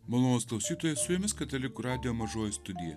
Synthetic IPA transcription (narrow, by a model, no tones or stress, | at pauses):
mɐlˠonoːsklˠɐʊsʲiːt̪oːjɛssʊjomʲɪskɐt̪ʲɐlʲɪkuɾɑːd̪ʲɪjoːmɐʒoːjɪst̪ʊd̪ʲɪjɛ̰